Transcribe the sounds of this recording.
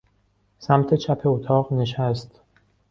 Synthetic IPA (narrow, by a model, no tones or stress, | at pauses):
sæmt̪ʰet͡ʃʰæpʰeot̪ʰɒːʁneʃæst̪